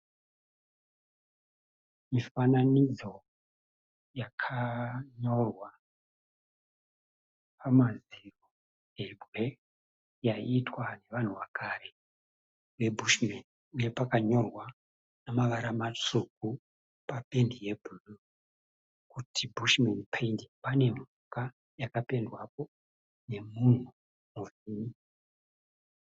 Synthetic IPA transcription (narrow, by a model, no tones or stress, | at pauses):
mifananid͡zo̞ | jakʰaɲo̞rwa | pʰamaziro | ebʱwe̞ | jaitwane̞ʋan̤uʋakare̞ | ʋe̞bʱuʃmeniuje̞pakaɲo̞rwa | namaʋaɾamat͡ʂuk̚u | pape̞ndije̞bʱulu | kutʰibʱuʃmenpʰendipane̞m̤uka | jakape̞ndwap̚o̞ | ne̞mun̤u | muriːni